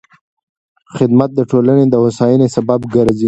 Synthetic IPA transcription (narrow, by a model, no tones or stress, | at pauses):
xɪd̪mat̪̚d̪əʈʰolaned̪əwasɑjɪnesababɡaɾzi